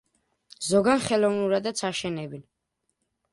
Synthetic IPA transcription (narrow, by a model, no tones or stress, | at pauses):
zɔɡanχɛlɔvnuɾad̪at̪sʰaʃɛnɛbin